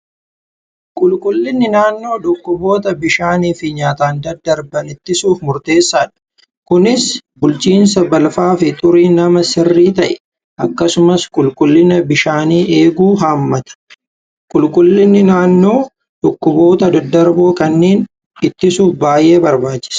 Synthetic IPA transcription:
kʼʊlkʼʊlːɪnːɪnaːnːo̞ːᶑʊkːʊbo̞ːt̪ɐbɪʃaːniːfɪɲaːt̪aːnd̪ɐd̪ːɐɾbɐnɪt̪ːɪsuːfmʊɾt̪e̞ːsːaːᶑɐ̥ | kʊnɪsbʊlt͡ʃiːnsɐbɐlfaːfɪt̪ʼʊɾiːnɐmɐsɪrːiːt̪ɐʔɛ̥ | ʔɐkːɐsʊmɐskʼʊlkʼʊlːɪnɐbɪʃaːniːʔe̞ːɡuːɦaːmːɐt̪ɐ̥ | kʼʊlkʼʊlːɪnːɪnaːnːo̞ː | ᶑʊkːʊbo̞ːt̪ɐd̪ɐd̪ːɐɾboːkɐnːeːn | ɪt̪ːɪsuːfbaːje̞ːbɐɾbaːt͡ʃːɪ̥s

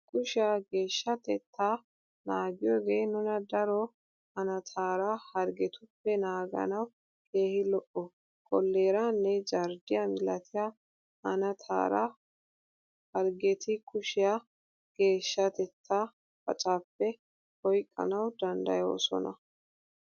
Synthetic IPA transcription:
kʰʼʊʃɪjaɡe̞ːʃːɐt̪ɛt̪ʰːaː | naːɡɪjoːɡeːnʊnɐd̪ɐɾɔ | hɐnɐt̪ʰaːɾahɐɾɡɛt̪ʊpːɛnaːɡɐ̰nɐw | kʰe̞ːhɪlɔʔɔ | kʼɔlːe̞ːɾanːɛd͡ʒɐɾd̪ɪjɐmɪlɐt̪ʰɪja | ɐnɐt̪ʰa̰ːɾa̰ | hɐɾɡɛt̪ɪkʊʃɪja | ɡ̥e̞ːʃːɐt̪ɛt̪ʰːaː | fɐt͡ʃʼaːpːɛ | ɔjkʼːɐ̰nɐwd̪ɐnd̪ɐjo̰ːsɔ̰nɐ

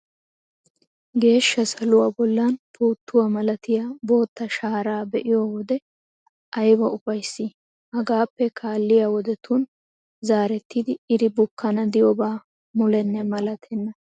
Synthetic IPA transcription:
ɡe̞ːʃːɐsɐlʊwaːbɔlːanpʰuːt̪ʰːʊwaːmɐlɐt̪ɪjabo̞ːt̪ːɐʃaːɾaːbɛʔɪjowɔd̪ɛ | ʔɐjwɐʔʊfɐjsːi | hɐɡaːpːɛkʰaːlːɪjaːwɔd̪ɛt̪ʊn | zaːɾɛt̪ːid̪ɪːd̪ɪbʊkːɐnɐd̪ɪjɔbaː | mʊlɛnːɛmɐlɐt̪ʰɛnːɐ

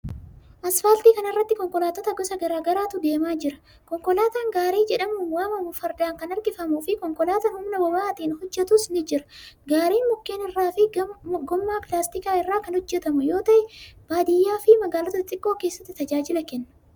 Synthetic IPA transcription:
ʔɐsfɐlt̪iːkɐnɪrːɐt̪ːɪkɔŋkɔlaːt̪ɔt̪ɐɡɔsɐɡɐɾaːɡɐɾaːt̪ʊd̪e̞ːmaːd͡ʒɪɾɐ | kɔŋkɔlaːt̪aːŋɡaːɾiːd͡ʒɛᶑɐmuːnwaːmɐmʊfɐɾd̪aːŋkɐnɐɾɡɪfɐmuːfɪkɔŋkɔlaːt̪ɐnhʊmnɐbɔbaːt̪iːnhɔd͡ʒːɛt̪ʊsnɪd͡ʒɪɾɐ̥ɡaːɾiːnmʊkːeːnɪrːaːfɪɡɔmːaːpɪlaːst̪ɪkaːɪrːaːkɐnhɔd͡ʒːɛt̪ɐmʊjo̞ːt̪ɐʔɛb̥aːd̪ɪjːaːfɪmɐɡaːlɔt̪ɐt̪ʼɪkʼːo̞ːke̞ːsːɐ̥t̪ːɪt̪ɐd͡ʒaːd͡ʒɪlɐkɛnːɐ̥

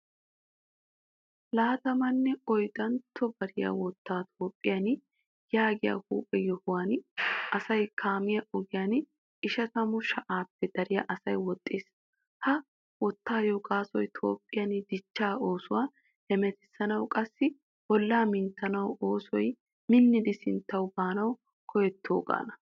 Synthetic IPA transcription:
laːt̪ɐmɐnːɛɔjd̪ɐnt̪ʰːɔbɐɾɪja̰wɔt̪ʰːaːt̪ʰo̞ːpʼːɪjɐn | jaːɡɪja̰hṵːpʼːɛjɔhʊwaːnɐsɐjkʰaːmɪjɐʔɔɡɪjan | ɪʃɐt̪ɐmʊʃɐʔaːpːɛd̪̥ɐɾɪjɐ̰ʔɐsɐjwɔt̪ʼːeːs | hɐ | wɔt̪ːaːjokʼaːsɔjt̪ʰo̞̰ːpʼːɪjɐnd̪ɪt͡ʃːaːoːsʊwaː | hɛmɛt̪ɪsːɐnɐwkʼɐsːɪ | wɔlːaːmɪnt̪ːɐnɐwoːsɔj | mɪnːɪd̪ɪsɪnt̪ːɐwbaːnɐw | kʰɔjɛt̪ʰːo̰ːkʼa̰ːnɐ

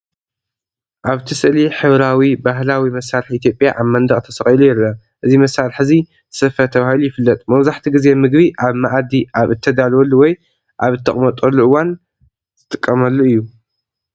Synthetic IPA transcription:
ʔaβt̪ʰɨsɨʔliħɨβɾawibaɦlawimɐsaɾħiʔit̪ʰjo̞pʼjaʔaβmɐnd̪ɐχʼt̪ʰɐsɐχʼjilujɛlːɐ | ʔɨzimɐsːaɾħɨzi | ɨ̥sɐfɐt̪ʰɐβahilujɪfɨlːɐt̪ʼmɐwzaħt̪ʰiɡɨze̞mɨɡbiʔaβmaʔd̪iʔaβɨt̪ʰːɐd̪alwɔlːuwɔj | ʔaβɨt̪ʰːɐχʼmɐt̪ʼɐlːuʔɨwan | zʰɨt̪ʼɨkʼːɐmɐlːuɨjːu

